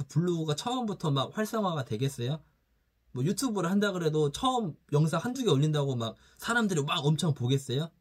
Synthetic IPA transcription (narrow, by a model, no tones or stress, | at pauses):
puɭːuɡat͡ɕʰʌʌmbutʰʌmak̚ɸwaɭs͈ʌŋwaɡatwe̞ɡe̞s͈ʌjo | mwʌjutʰubɯɾɯɭhandaɡɯɾe̞dot͡ɕʰʌʌmjʌŋsʰahand͡ʑuɡeʌʎːindaɡomak̚ | sʰaɾamdɯɾimaɡʌmt͡ɕʰʌŋpoɡe̞s͈ʌjo